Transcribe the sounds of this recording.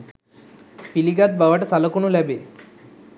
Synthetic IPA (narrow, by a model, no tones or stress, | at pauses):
piliɡat̪̚baʋaʈəsaləkuɳulɛbe